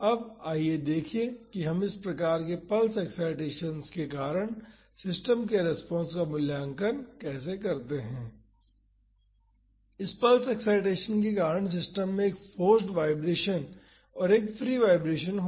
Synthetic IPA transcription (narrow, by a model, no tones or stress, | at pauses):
ɐb̚aːied̪eːkʰiekiɦɐmɪspɾɐkaːɾkepɐlsɛksaːɪʈeːʃənskekaːɾəɽ̃ | sɪsʈəmkeɾɛspɔ̃ːnskamʊljaːŋkənkɛːsekɐɾt̪eɦɛ̃ː | ɪspɐlsɛksaːɪʈeːʃənkek̬aːɾəɽ̃s̬ɪsʈəmːẽeːkfoːsʈʋaːɪbɾeːʃən | ɔːɾeːkfɾiːʋaːɪbɾeːʃənɦ